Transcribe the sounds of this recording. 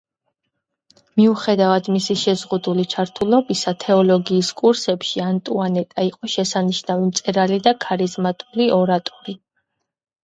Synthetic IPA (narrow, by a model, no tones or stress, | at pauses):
miuχɛd̪avad̪misiʃɛzʁud̪ulit͡ʃʰaɾt̪ʰulˠɔbisat̪ʰɛɔlɔɡiːskʼuɾsɛpʃiant̪ʼuanɛt̪ʼaiqʼɔʃɛsaniʃnavimt̪sʼɛɾalid̪akʰaɾizmat̪ʼuliɔɾat̪ʼɔɾi